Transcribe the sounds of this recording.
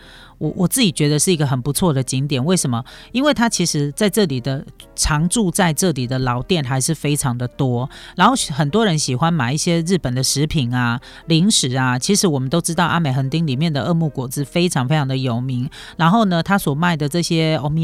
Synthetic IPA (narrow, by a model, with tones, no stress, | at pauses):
wʔɔ˨˩wʔɔ˨˩t͡sɹ̩˥˩t͡ɕi˨˩t͡ɕɥɛ˧˥d̪ə˧ʂɻ̩˥˩i˧˥ɡə˧xə˨˩npu˧˦t͡sʰwɔ˥˩d̪ə˩t͡ɕi˧˥ŋt̪jɛ˨˩nwe˥˩ɪʂə˧˥nmə˨˩i˥nwe˥˩ɪt̪ʰa˥t͡ɕʰi˧˥ʂɻ̩˧˥t͡sa˥˧ɪʈ͡ʂɤ˥˩li˨˩d̪ə˦ʈ͡ʂʰɑ˧˥ŋʈ͡ʂu˥˧t͡sa˥˧ɪʈ͡ʂɤ˥˩li˨˩d̪ə˦lɑ˧˥ʊt̪jɛ˥˩nxa˧˥ɪʂɻ̩˥˩fe˥ɪʈ͡ʂʰɑ˧˦ŋd̪ə˨t̪wɔ˥ɻa˧˥nxo˥˩xə˨˩nt̪wɔ˥ɻə˧˦nɕi˨˩xwa˦nma˨˩ɪi˥˩ɕjɛ˥ɻ̩˥˩pə˨˩nd̪ə˦ʂɻ̩˧˥pʰi˨˩˦na˩ | li˧˥ŋʂɻ̩˨˩a˨t͡ɕʰi˧˥ʂɻ̩˧˥wɔ˨˩mə˨nt̪o˥ʊʈ͡ʂɻ̩˥t̪ɑ˥˩ʊʔa̰˥me˨˩ɪxə˧˥ŋt̪i˥ŋli˨˩mjɛ˥˩nd̪ə˩ʔɤ˥˧mu˥˩kwɔ˨˩t͡sɹ̩˥˩fe˥ɪʈ͡ʂʰɑ˨˧ŋfe˥ɪʈ͡ʂʰɑ˧ŋd̪ə˧jo˨˩ʊmi˧˦ŋ | ɻa˧˥nxo˥˩ʊnə˨t̪ʰa˥swɔ˨˩ma˥˩ɪd̪ə˩ʈ͡ʂɤ˥˩ɕjɛ˥o˧˥mi˧